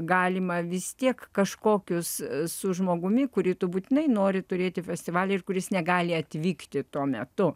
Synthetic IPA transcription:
ɡɑːlʲɪmɐʋʲɪst̪ʲiɛkkɐʃkoːkʲʊssʊʒmoːɡʊmʲɪkʊɾʲiːt̪ʊbuːt̪ʲɪnɐɪnoːɾʲɪt̪ʊɾʲeːt̪ʲɪfʲɛsʲt̪ʲɪʋɑːlʲɛɪrkʊɾʲɪsnʲɛɡɑːlʲɪɐt̪ʲʋʲiːkt̪ʲɪt̪uɔmʲɛt̪ʊ

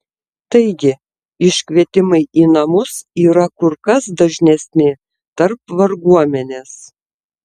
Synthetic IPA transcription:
t̪ɐɪɡʲɪ | ɪʃʲkʲʋʲiɛt̪ʲɪmɐɪʔiːnɐmʊsiːɾɐkʊɾkɐsd̪ɐʒʲnʲɛsʲnʲɪ | t̪ɐɾpʋɐɾɡuɔmʲɛnʲeːs

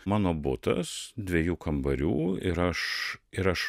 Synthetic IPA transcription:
mɑːnoːbʊt̪ɐ̰sd̪ʲʋʲɛjuːkɐmbɐɾʲuːɪɾɐʃɪɾɐʃ

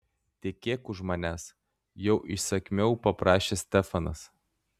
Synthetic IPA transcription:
t̪ʲeɛkʲeːkʊʒmɐnʲæːs | jɛʊʔɪʃsɐkʲmʲɛʊpɐpɾɑːʃʲeːsʲt̪ʲɛfɐnɐs

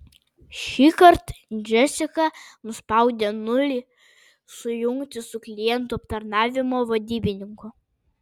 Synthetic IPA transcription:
ʃʲiːkɐɾt̪nʲd͡ʒʲɛsʲɪkɐnʊspɐˑʊd̪ʲenʊlʲɪ | sʊjʊŋkt̪ʲɪsʊklʲɪjɛnt̪uɐpt̪ɐɾnɑːʋʲɪmoːʋɐd̪ʲiːbʲɪnʲɪŋkʊ

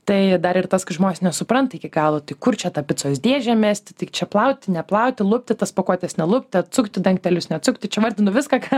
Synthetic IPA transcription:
t̪ɐɪd̪ɐɾɪrt̪ɐskɐɪʒmoːnʲeːsnʲɛsʊpɾɐnt̪ɪkʲɪɡɑːlˠot̪ɐɪkʊrt͡ʃʲɛt̪ɐpʲɪt̪soːsd̪ʲiɛʒʲɛmʲæːsʲt̪ʲɪt̪ɐɪt͡ʃʲɛplˠɐʊt̪ʲɪnʲɛplˠɐʊt̪ʲɪlˠʊpʲt̪ʲɪt̪ɐspokoːt̪ʲɛsnʲɛlˠʊpʲt̪ʲɪɐt̪̚sʊkt̪ʲɪd̪ɐŋk̚t̪ʲɛlʲʊsnʲɛɐt̪sʊkt̪ʲɪt͡ʃʲɛʋɐrʲd̪ʲɪnʊʋʲɪskɑkɑː

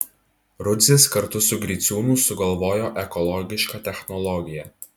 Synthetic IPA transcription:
ɾʊd̪ʲzʲɪskɐɾt̪ʊsʊɡɾʲit̪sʲuːnuːsʊɡɐlˠʋoːjoːʔɛkɔlˠɔɡʲɪʃkɑt̪ʲɛxnɔlˠɔɡʲɪjɛ

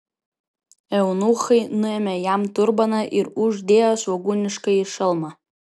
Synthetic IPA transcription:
ɛwnuːχɐɪnʊɛmʲɛjamtʊrbɐnɐʔɪɾuʒd̪ʲeːjasoɡuːnʲɪʂkɐiʂɪlˠmɐ

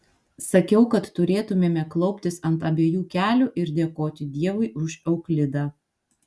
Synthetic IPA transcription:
sɐkʲɛʊkɐt̪ːʊɾʲeːt̪ʊmʲeːmʲɛklˠɒʊpʲt̪ʲɪsɐnt̪ɐbʲeːjuːkʲæːlʲʊʔɪɾd̪ʲeɛkoːt̪ʲɪd̪ʲiɛʋʊɪʔʊʃɛʊklʲɪd̪ɑː

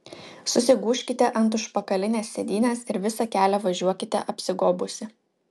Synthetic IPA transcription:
sʊsʲɪɡuːʃʲkʲɪt̪ʲɛʔɐnˑt̪̬ʊʃpɐkɐlʲɪnʲeːsːʲɛd̪ʲiːnʲeːsɪɾʋʲɪsɐkʲæːlʲɛʋɐʒʲuɔkʲɪt̪ʲɛʔɐpʲsʲɪɡoːbʊsʲɪ

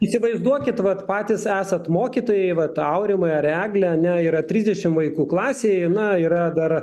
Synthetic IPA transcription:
iːsʲɪʋɐɪzd̪uɔkʲɪt̪ʋɐt̪pɑːt̪ʲɪsæːsɐt̪moːkʲiːt̪oːjɛɪʋɐt̪ɐʊɾʲɪmɐɪɐræːɡlʲɛɐnʲɛiːɾɐt̪ʲɾʲiːzʲd̪ʲɛʃʲɪmʋɐɪkuːklˠɑːsʲeːjnɐiːɾɐd̪ɐr

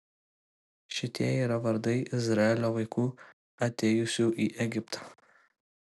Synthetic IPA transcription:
ʃʲɪt̪ʲiɛiːɾɐʋɐɾd̪ɐɪʔɪzɾɑɛlʲoːʋɐɪkuː | ɐt̪ʲɛːjʊsʲuːʔiːʔɛɡʲɪpt̪ʰɐ̥

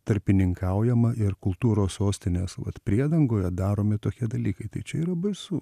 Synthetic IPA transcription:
t̪ɐɾʲpʲɪnʲɪŋkʰɐʊjɛmɐʔɪrkʊlˠt̪uːɾoːssoːsʲt̪ʲɪnʲeːsʋɐ̰t̪pʲɾʲiɛd̪ɐŋɡoːjɛd̪ɑːɾoːmʲɪt̪oːkʲiɛd̪ɐlʲiːkɐɪt̪ɐɪt͡ʃʲɛiːɾɐbɐɪsuː

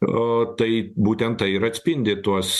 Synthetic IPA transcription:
ot̪ɐɪbuːt̪ʲɛnt̪tɐɪɪɾɐt̪ʲsʲpʲɪnʲd̪ʲɪt̪uɔs

